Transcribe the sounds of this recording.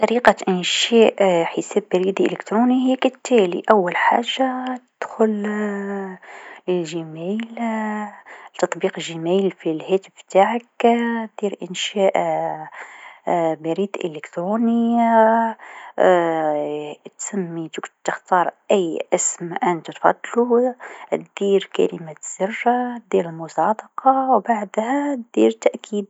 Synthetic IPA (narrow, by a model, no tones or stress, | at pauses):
t̪ɑɾiqaʔənʃæʔħəsæbːæɾid̪ʔə̰ləkt̪ɾunihkət̪ːælḭʔæwːælħaʒːat̪əd̪̥xʊl | lʒəmæl | t̪ɑt̪ˤbiqəʒəmælfilhæt̪əft̪aʕəkd̪iɾʔənʃæʔ | bæɾid̪ʔə̰ləkt̪ɾunəja | t̪səmːit̪əkt̪əxt̪ɑɾˤʔæjːʔəsmʔənt̪ut̪fɑ̰d̪ˤlut̪d̪̥iɾkæ̰ləmæz̥ərːad̪iɾəlmʊsˤɑd̪əqɑwbaʕd̪hæt̪d̪̥iɾt̪ːæʔkʰid̪̚